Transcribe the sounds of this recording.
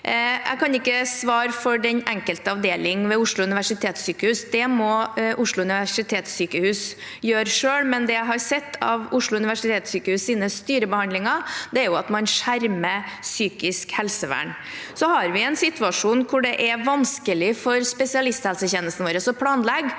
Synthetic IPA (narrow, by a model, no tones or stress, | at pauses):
ʔæ̰ɪkʰɑnɪkːəsʋɑːɾfɔɖɛnɛŋkəlt̪əɑʋd̪eːlɪŋʋɛʊʂɭʊʉnɪʋæʂɪt̪ʰeːt̪syːkəhʉːsd̪ɛmɔʔʊʂlʊʉnɪʋæʂɪt̪ʰeːt̪syːkəhʉːs | jøːɾʂøːlmɛnd̪ɛæɪɦɑɾsɛt̪ʰːɑ̰ʋʊʂɭʊʉnɪʋæʂɪt̪ʰeːt̪syːkəhʉːssiːnəst̪yːɾəbəhɑnd̪lɪŋɑd̪ɛæɾjʊɑt̪mɑnʂæɾməsyːkɪskhɛlsəʋæ̰ːɳ | sɔhɑɾʋɪɛnsɪt̪ʉɑʂuːnkʰʊɖɛʔɛʋɑnskəlɪfɔɾspɛsɪɑlɪst̪hɛlsəçɛnːəlst̪nʋoːɾəsɔpʰlɑːnlɛɡ